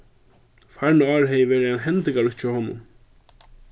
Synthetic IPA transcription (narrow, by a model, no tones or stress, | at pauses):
faɾnʏaːɾɦɛːjvɛːɾɪɛnɦɛnt̪ɪŋkalʏht͡ʃawhɔːnʊ̰m